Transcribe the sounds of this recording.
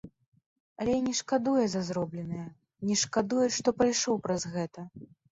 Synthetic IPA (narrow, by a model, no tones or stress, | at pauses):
ɐlʲɛnʲɛʂkad̪ujɛzɐzɾɔblʲɛnɨjɐ | nʲɛʂkad̪ujuʂt̪ɔpɾajʂɔwpɾɐzɣɛt̪ɐ